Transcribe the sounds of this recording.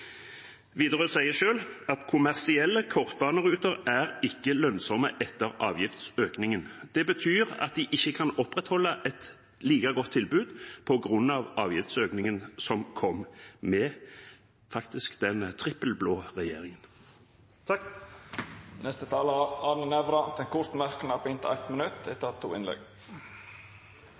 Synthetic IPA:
ʋiːd̪əʁəsæɪəʃøːlɑt̪kʰʊmæʁsɪɛlːəkʰɔʁt̪̚bɑːnəʁʉːt̪əʁæʁɪkːəlœnsɔməʔɛt̪ːəʁɑːʋjɪft̪søːknɪŋənd̪̥ɛbət̪ʰyːʁɑ̰t̪̚d̪ɪʔɪçːəkʰɑnɔpʁɛt̪hɔlːəʔɛt̪ | liːkɑɡɔt̪ʰːɪlbʉːd̪pʰɔɡʁʉnɑʋɑːʋjɪft̪søːknɪŋənsɔmkʰɔmmɛ | fɑkt̪ɪskd̪ɛnt̪ʰʁɪpːəlbloːʁɛjeːʁɪŋən | nɛst̪ət̪ʰɑːləɑnənɛʋɾɑd̪̥ɛnkʰʊt̪mæʁkən̩ɑpɪnt̪əɛt̪mənʉt̪ɛt̪ːət̪ʰːṵːɪ̰nlɛ̰ɡ

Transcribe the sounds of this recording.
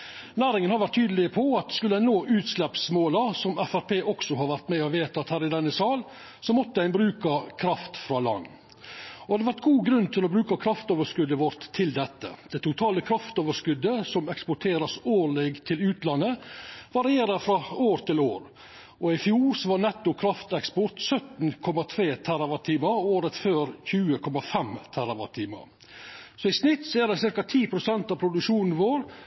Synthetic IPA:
næːɾɪŋənhɑɾʋæɾʈ̚t̪ʰːyːd̪lɪəpʰɔɑt̪skʉlːəæɪnoːʔʉːt̪slɛpsmoːlɑsɔmæfæɾpʰeːʔɔksɔɦɑɾʋæɾt̪mɛɔʋeːt̪ɑɑt̪hæːɾɪd̪ɛnːəsɑːl | sɔmɔt̪ːəæɪnbɾʉːkɑkʰɾɑft̪fɾɑːlɑ̰nː | ɔɑd̪ɛʋæɾʈ̪ɡuːɡɾʉnːt̪ʰɪlɔbɾʉːkɑkʰɾɑft̪oːʋəʂkʉd̪ːəʋɔɾt̪ʰːɪld̪ɛt̪ːə̰d̪̥ɛɪt̪ʰʊt̪ʰɑːləkʰɾɑft̪oːʋəʂkʉd̪ːəsɔmɛkspʊʈʰeːɾɑsoːɭeɡt̪ʰɪlʉːt̪lɑnːəʋɑɾɪeːɾɑɾfɾɑoːɾt̪ʰɪloːɾ | ɔɪfjuːɾsɔʋɑnɛt̪ːʊkʰɾɑft̪ɛkspɔt̪sœt̪nkʰɔmɑt̪ʰɾeːt̪ʰæɾɑʋɑt̪ʰiːmɑɾoːɾət̪føːɾçʉːəkʰɔmɑfɛmt̪ʰæɾɑʋɑt̪ʰiːmɑ̰ɾ | sɔɪsnɪt̪ːsɔæɖɛsɪɾkɑt̪ʰiːpʰɾʊsɛnt̪ɑʋpʰɾʊd̪ʉʂuːnn̩ʋoːɾ

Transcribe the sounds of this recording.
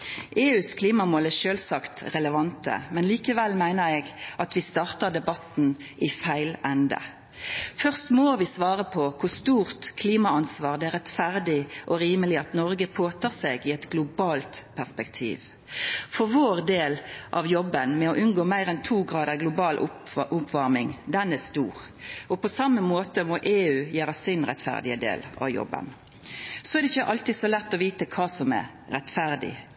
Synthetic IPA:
ʔeːʉːskʰliːmɑmoːlæʃøːlsɑkt̪ʁɛləʋɑnt̪ə̰mɛnliːkəʋɛlːmæɪnəɾɛɡɑt̪ʋɪst̪ɑːʁt̪əd̪ɛbɑt̪n̩ʔɪfæɪlɛnd̪ə̰ | fœʁst̪mɔʋɪsʋɑːʁəpʰɔkʰʊʁst̪uːʁt̪kʰliːmɑɑnsʋɑːʁd̪ɛæːʁɛt̪fæʁd̪ɪʔɔʁiːməlɪɑt̪nɔʁɡəpʰoːt̪ʰɑːseːɡɪɛt̪ɡlʊbɑːlt̪pʰæʁspɛkt̪ʰḭːʋ | fɔɾʋoːʁd̪eːlʔɑ̰ʋjɔbːənmɛɔʔʉnɡoːmæɪɾɛnt̪ʰuːɡʁɑːd̪əʁɡlʊbɑːlʔʊʊpʋɑɾmɪŋd̪ɛnæst̪uːʁ | ʔɔpʰɔsɑmːəmoːt̪əmɔʔeːʉːjæːɾəsɪnʁɛ̰t̪fæ̰ʁd̪ɪəd̪ḛːlʔɑ̰ʋjɔ̰bːə̰n | sɔɛɾdɛɪçːəʔɑlt̪ɪd̪sɔlɛt̪ːɔʋiːt̪əkʰɑːsɔmæ̰ɾ | ɾɛt̪fæɾd̪ɪ̰

